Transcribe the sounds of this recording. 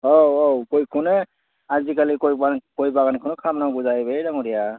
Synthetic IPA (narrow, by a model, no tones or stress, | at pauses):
owowkojkʰunɛ | azikalikojbankojbaɡankʰunɔkʰamnawɡuzajbejdaŋɔɾija